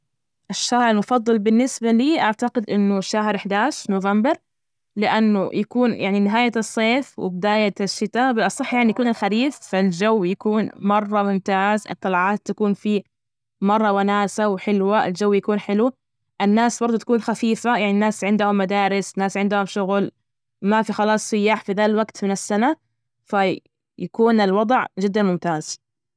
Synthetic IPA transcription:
ʔɪʃːaːɾalmʊfɑðˤːɨlbɪnːɪsbaliːʔaʕt̪aqɪd̪ʔɪnːʊʃːaɦɾɪħd̪aːʃnoːvambɪɾˤ | lɪʔanːʊ̰jakuːnjʔa̰ʕninɪɦaːjaɨsˤːeːfwɪ̰bɪd̪aːjaɪʃːɪt̪abɪlʔɑsˤɑħːjaʕnijakuːnɪlxaɾiːfːald͡ʒawːjakuːnmɑrˤːɑmʊmt̪aːzʔɨ̰t̪ˤːɑlʕɑːt̪ːakuːnfi | mɑrˤːɑwanaːsawħɪlwaʔɪ̰ld͡ʒawːjakuːnħɪlu | ʔɪnːaːsbɑɾˤd̪ˤut̪ḁkuːnxafiːfajaʕninːaːsʕɪnd̪ʊhʊmːad̪aːɾɪsnːaːsʕɪnd̪ʊhʊmʃʊɣl | mafixɑlɑːsˤːʊjːaːħfiðalwaɡt̪mɪnɪsːana | fa | jakuːnɪlwɑd̪ˤʕd͡ʒɪd̪ːanmʊmt̪aːz̥

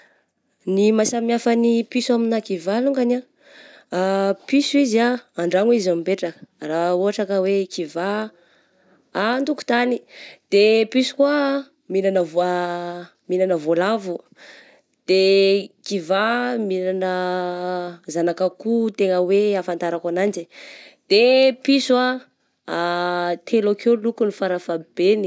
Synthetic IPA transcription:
nimasamiafanipisuaminakivaluŋɡana | pisuiziaːɳɖ͡ʐaŋizamipeʈ͡ʂakə̥rauɦaʈ͡ʂakəwekiva | ant̪uku̥t̪anid̪̥episu̥kwa | minanəva | minanəvolavu | d̪̥ekivaminanə | zanakəkut̪eŋəweafant̪aɾakanand͡ʒid̪̥episua | t̪ʰelokolukunifaɾafab̥eni

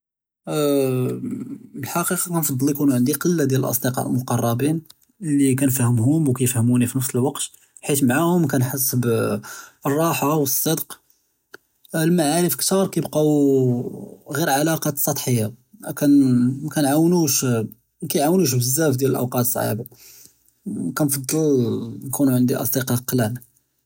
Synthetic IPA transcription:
bəlħɑqiqɑkænfɑd̪ˤːlːikunuʕənd̪iqəlːad̪jæləlʔɑ̰sˤd̪eqɑ̰lmʊqɑrˤːɑbin | lːik̬ænfæhəmɦʊmwkæjəfhəmunifinəfsəlwɑqt̪ | ħit̪maʕahʊmkænħəs̬ːəb | ərˤːɑħawəsˤːɑd̪q | lmaʕaɾəfkt̪ɑɾˤkæjəbqɑ | ɣiɾʕalɑqɑsˤːɑt̪ˤħəjːakænmækænʕawnuʃ | mækæjʕawnuʃ̬bəzːæfd̪jæləlʔə̰wqɑt̪sˤʕḭba | kænfɑd̪ˤːəlnkunuʕənd̪iʔɑ̰sˤd̪iqɑqlæn

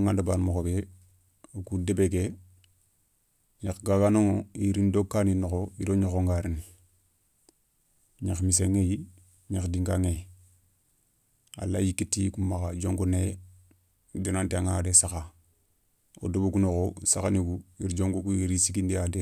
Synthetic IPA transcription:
ŋandabaːnmokobe | okudebeɡe | ɲakɡakanoŋoiɾindokːaninoxoiɾoɲoxoŋɡaɾini | ɲaxmiseŋeji | ɲaxdiŋɡaŋe | a̰lːajikitːikumakad͡ʒoŋɡone | donanteaŋadesaxa | o̰dobukunoxosakaniɡuiɾd͡ʒoŋɡukuiɾisikindijade

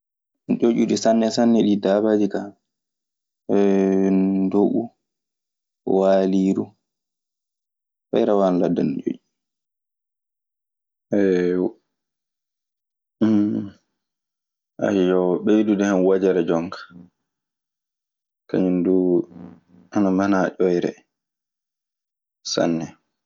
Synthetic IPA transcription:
t͡ʃoʔuɗisanːɛsanːɛɗidabad͡ʒika | doʔu | waːliːɾu | fa̰jɾawanladːant͡ʃo̰ʔu | ɛ | m | ʔa̰jɔwɓejdudɛhanwad͡ʒɛɾɛd͡ʒɔŋkḁ | ka̰ɲindu | anamanaʔɔjɾɛ̰ | sa̰nːɛ

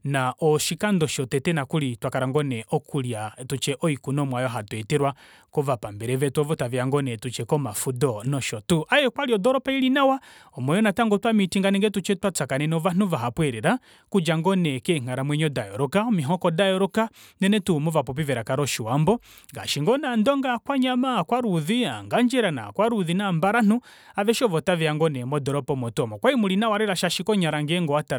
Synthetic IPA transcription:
naʔɔʃikandɔʃɔtɛtɛnakulitwakaɾaŋɡɔnɛʔɔkʰuljatut͡ʃɛʔɔikunɔmwajɔɦatwɛtɛɾwa | kɔvapambɛɾɛvɛtwɔvɔtaviaŋɡɔnɛtut͡ʃɛkɔmafudɔnɔʃɔtuʔajɛkwaliɔdɔɾɔpailinawaɔmwɔjɔnataŋɡɔtwamitiŋɡanɛŋɡɛtut͡ʃɛtwat͡sakanɛnɔvanuvaɦapwɛɾɛɾa | kud͡ʒaŋɡɔnɛkɛŋ̥aɾamwɛɲɔdajɔ̰ɾɔkaɔmiɦɔkɔdajɔɾɔkanɛnɛtumɔvapɔp̬ivɛɾakaɾɔʃiwambɔ | ŋɡa̰ʃiŋɡɔnandɔŋɡakwaɲamakwaɾuðia̰ŋɡaɲd͡ʒɛɾana̰kwaɾuðinambaɾan̥u | avɛʃɔvɔtavɛaŋɡɔnɛmɔdɔɾɔpɔmɔtuɔmɔkwaimulinawaɾɛɾaʃaʃikɔɲaɾaŋɡɛŋɡɔata

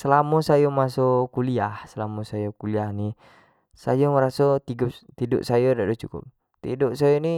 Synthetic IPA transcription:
səlamɔsajomasokuliahsəlamɔsajokuliahni | sajɔməɾasot̪iɡɔt̪idɔ̰ʔsajɔdadot͡ʃukʊ̰p̚ | t̪idɔʔsajoni

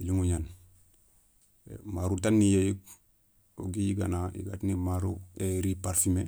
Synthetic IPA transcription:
iliŋuɲan | maɾutanːijejik̚ | o̰ɡijiɡanajḭɡatnimaɾueɾipaɾfime

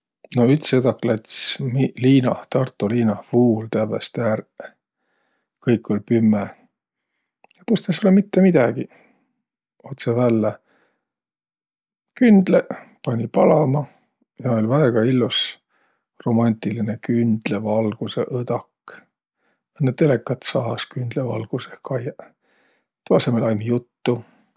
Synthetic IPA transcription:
no̞yt̪sed̪ɑkːˑlæt̪ʲsmiliːnɑht̪ɑrt̪ːˑuliːnɑhfuːlt̪æbest̪ær | kɤjkːˑo̞lʲpymːe | jɑt̪ust̪esolːemit̪ːe̞mid̪̥ɑɡ̥i | o̞t̪sevælːe | kynd̪̥lepɑnʲipɑlɑmɑ | jɑolʲvæeɡ̥ɑilːus | ro̞mɑnʲt̪ilinekynd̪̥levɑlɡ̥use̞̰ʔɤd̪̥ɑk | enːet̪e̞lekːˑɑt̪sɑɑskynd̪̥levɑ̰lɡ̥usekɑjɑ | t̪uɑsemelɑjmijut̪ːu

